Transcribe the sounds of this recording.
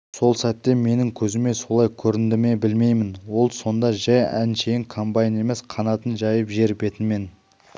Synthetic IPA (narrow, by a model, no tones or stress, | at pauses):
so̞lˠsæt̪ːe̞me̞nɪŋkʲʰɵzɪme̞so̞lˠɑjkʲʰɵɾɪnd̪ɪme̞bɪlme̞jmɪnwo̞lˠso̞nd̪ɑʒæjæ̰nʃejɪŋkʰombɑjne̞me̞sqʰɑnɑt̪ənʒɑjəpʒe̞ɾɪpe̞t̪ɪnme̞n